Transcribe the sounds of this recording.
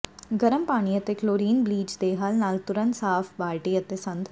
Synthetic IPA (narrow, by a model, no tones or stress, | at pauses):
ɡɐɾəmpaːɽ̃iət̪ekloːɾiːnbliːd͡ʒd̪eːɦaːlnaːlt̪ʊɾə̃nt̪saːfbaːlʈiɐt̪esɐ̃nd̪